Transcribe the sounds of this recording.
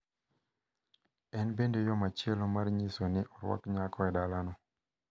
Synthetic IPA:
ɛnbendojɔmat͡ʃɪɛlɔmarɲisonɪʔɔɾwa̰kɲakʰɔɛdalanɔ

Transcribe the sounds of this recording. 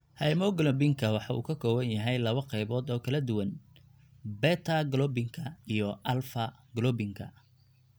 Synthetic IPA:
hɐɪmɔɡlɔbɪŋkʰɐwɑħɑṵːkʰɐkʰɔːwɐnjɐɦɛjlɐβɐqɛjβɔːd̪ɔːkʰɐlɐd̪ʊwɐn | bɛt̪ʰɐɡlɔbɪŋkʰɐijɔʔɐlfɐ | ɡlɔbɪŋkʰɐ̰

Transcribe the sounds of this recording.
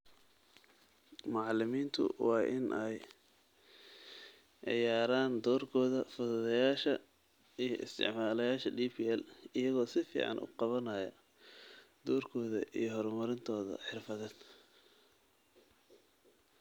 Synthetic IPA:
mɑʕɑlɪmiːnt̪ʰʊ̰wɑːʔɪnʔɛj | ʕɪjaːɾaːnd̪ɔːrkʰɔːðɐfʊðʊðɐjaːʃɐ | ijɞʔɪ̰st̪ʰɪ̰ʕmaːlɐjaːʃɐɖiːpʰiːɛlɪjɐɣɔːsɪfḭːʕɑ̰nʔʊ̰qɑβɐnɐjɐ | d̪ɔːrkʰɔːðɐ̰ʔijɔɦɔɾmɐɾɪnt̪ʰɔːðɐ̰ħɪrfɐðɛːd̪

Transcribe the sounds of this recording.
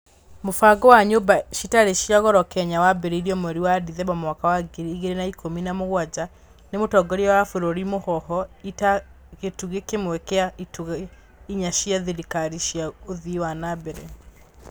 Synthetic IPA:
mofaɡɔwaɲobaʃitaɾeʃiaɣɔɾɔkɛɲawabɛɾeiɾiɔmwɛɾiwadiðɛbamwakawaɡeɾiːɣeɾenaikʰominamoɣwad͡ʑa | nemotɔɡɔɾiawafoɾoɾimohɔɦɔita | ɣetuɣekemwɛkɛaituɣ | iɲaʃiaðiɾikaɾiʃjaoðiwanabɛɾɛ

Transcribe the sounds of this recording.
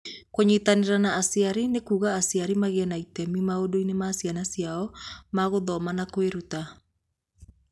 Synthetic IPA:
koɲitaneɾanaːsiaɾinekuɣaːsiaɾimaɣeɛnaitɛmimaodoinemaːsianasiaɔmaɣoðɔmanakoeɾuta

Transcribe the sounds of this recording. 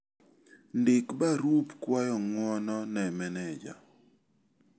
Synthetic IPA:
ndɪkbaɾupkwajɔŋwɔnɔnɛmɛnɛd͡ʒa̰

